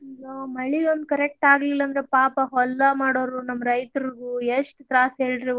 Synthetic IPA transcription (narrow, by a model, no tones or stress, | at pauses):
lomɐɭiond̪ukɐɾek̚ʈaːɡlilːɐnd̪ɐɾepaːpɐɦɔlːɐmaːɽoːɾunɐmːɐɾɐjt̪ɐɾɡueʂʈt̪ɾaːsɦeːɭɖɾe